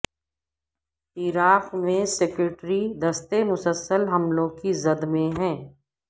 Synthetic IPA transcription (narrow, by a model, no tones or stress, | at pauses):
iːɾaːxmẽsekɾɪʈɾid̪ɐst̪emʊsəlsəlɦɐmlõkizɐd̪mẽɦɛ̃ː